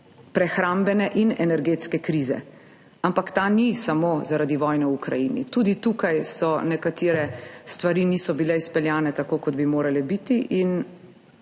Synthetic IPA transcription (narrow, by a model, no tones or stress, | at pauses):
pɾɛxɾambɛnɛʔinɛnɛɾɡeːt̪skɛkɾiːzɛ̰ | ampakt̪anisamozaɾad̪iʋɔjnɛukɾajinḭt̪uːd̪it̪uːkajsɔnɛkat̪iːɾɛst̪ʋaɾinisɔbilɛispɛljaːnɛt̪akoːkɔd̪bimoːɾalɛbit̪iʔin